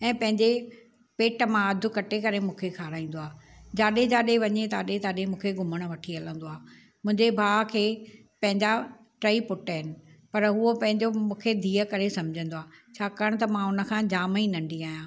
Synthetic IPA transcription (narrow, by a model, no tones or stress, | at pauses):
ɛ̃ːpɐ̃ɦɪ̃ɲd͡ʑe | peːʈmãɐd̪ʱʊ̆kɐʈekɐɾemũːkʰekʰaːɾaːĩːn̆d̪oaːd͡ʑaːɗed͡ʑaːɗeʋɐɲet̪aːɗet̪aːɗemũːkʰeɡʱʊməɽ̃ʋɐʈʰiɐlə̃nd̪oaː | mʊ̃ɦɪ̃ɲd͡ʑebʱaːkʰeː | pɐ̃ɦɪ̃ɲd͡ʑa | ʈɾaipʊʈːɦɪnɪ̆pɐɾɦʊopɐ̃ɦɪ̃ɲd͡ʑomũːkʰed̪ʱiːəkɐɾesɐ̃md͡ʑʱə̃nd̪oaːt͡ɕʰaːkaːəɽ̃t̪̬ɐmãʊnə̆kʰãd͡ʑaːminɐ̃ɳɖiaːjãː